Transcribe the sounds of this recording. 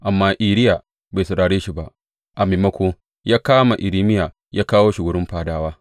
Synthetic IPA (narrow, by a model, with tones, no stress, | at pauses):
ʔa˨mːaː˦ʔiː˨ɾɪ˦ja˨ | be˨sʊ˨ɽaː˨ɽeː˦ʃi˨ba˦ʔ | ʔa˨meː˨mɐ˦kʷo˦ | jaː˦kaː˦ma˨ʔɪ˨ɾiː˦mɪ˦ja˨ | jaː˦kaː˦woː˦ʃʊ˨ɡʊ˨ɽʊ˦mɸaː˨daː˦waː˦